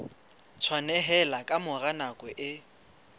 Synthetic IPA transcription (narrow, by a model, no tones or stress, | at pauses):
t͡sʰwanɛɦɛlakʼamʊranakʼwɛʔɪ